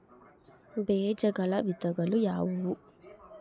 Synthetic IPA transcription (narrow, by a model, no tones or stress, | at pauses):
beːd͡ʒɐɡɐɭɐʋit̪ɐɡɐɭujaːʋuʋu